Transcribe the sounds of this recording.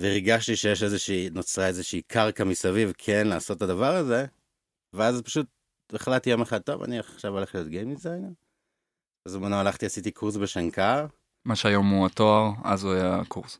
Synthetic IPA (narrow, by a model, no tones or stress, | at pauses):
veiʁɡaʃtiʃejeʃe̞zeʃiːnot͡sʁae̞zeʃeikʰaʁkamisavivkʰe̞nlaːso̞tːadavaʁaze̞ | veazpḁʃut̚ | eχlatːijo̞meχad̚t̪o̞̰va̰niaχχʃavole̞χlijo̞tɡejmizan | azmanoalaχtiasitikʰuʁs̬be̞ʃaŋkaʁ | maʃeajo̞muatoaʁa̰zuajakʰuʁs